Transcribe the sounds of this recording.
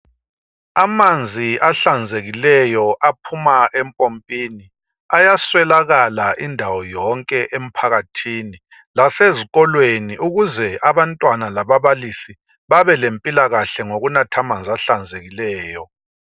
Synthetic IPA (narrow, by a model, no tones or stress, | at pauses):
amand͡zʱiʔaɬand͡zʱeɣilɛjɔʔapʰumaʔɛmpʼompʼini | ajaswɛlaɣalaʔindʱawɔjɔŋkʼɛʔem̩pʰaɣatʰini | laseziɣɔlweniʔuɣuzɛaβantʼwanalaβaβalisi | βaβɛlempʼilaɣaɬɛŋoɣunatʰamand͡zʱaɬand͡zʱeɣilɛːjɔ